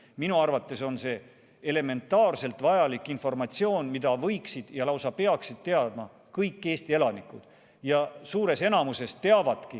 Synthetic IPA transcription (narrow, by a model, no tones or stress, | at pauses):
minuɑrvɑt̪ːˑe̞so̞nse̞ | ele̞me̞nt̪ːˑɑːrse̞lt̪ˑvɑjɑlikːˑinfo̞rmɑt̪sio̞ːnmid̪̥ɑvɤjksid̪̥jɑlɑwsɑpe̞ɑksid̪̥̚t̪e̞ɑd̪̥̚mɑ | kɤjkːˑe̞ːst̪ie̞lɑnikːˑud̪̥ | jɑsuːɾe̞se̞nɑmuse̞st̪e̞ɑvɑd̪̥ki